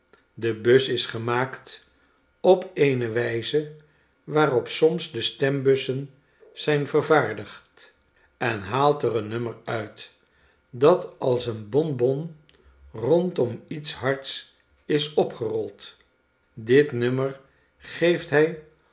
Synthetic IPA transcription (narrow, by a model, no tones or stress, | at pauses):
dəbøsɪsχəmaːkt | ɔpejnəʋɛjzə | ʋaːrɔpsɔmsdəstɛmbɵsən | z̥ɛjnvəɹvaːɹdəχt | ɛnɦaːlˠtərənɵməɹœɥt | dɑtɑlˠsənbɔnbɔn | rɔntɔmitsɦɑɹts | ɪsɔpχərɔlˠt | dɪtnɵmər | χejftɦɛj